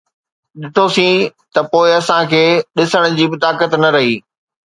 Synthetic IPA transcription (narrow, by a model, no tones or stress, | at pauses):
ɗɪt̪ʰosĩːt̪ɐpoːɪɐsãkʰeːɗɪsəɽ̃d͡ʑiːbɪt̪aːkət̪nɐɾɐɦiː